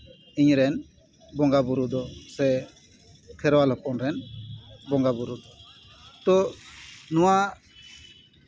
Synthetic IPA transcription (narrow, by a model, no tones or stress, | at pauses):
iɲɾɛn | bɔŋɡabuɾud̪ɔsɛ | kʰɛɾwalɔkɔnɾɛnbɔŋɡabuɾud̪ɔ | t̪ɔ | nɔwa